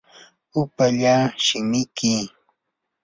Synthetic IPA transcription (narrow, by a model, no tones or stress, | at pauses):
ʊpaʎaːʃɪmɪkɪ